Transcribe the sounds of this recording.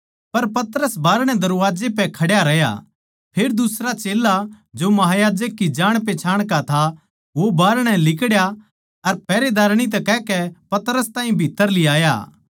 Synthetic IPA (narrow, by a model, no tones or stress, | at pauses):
pɐɾpɐt̪ɾəsbaːɾɽ̃ɛ̃d̪ɐɾuʋaːd͡ʒepɛkʰɐɽjaɾɐja̰ | pʰeːɾd̪ʊsɾat͡ʃeːla | d͡ʒomɐɦaːjaːd͡ʒək̚ːid͡ʒaːɽ̃p̬et͡ʃʰaːɽ̃kat̪ʰa | ʋobaːɾɽ̃ɛlɪkɽja | ɐɾpɛːɾed̪aːɾɽ̃it̪̬ɛkɛːkɛpɐt̪ɾəst̪ãːɦĩbʱɪt̪ːəɾlɪaːja̰ː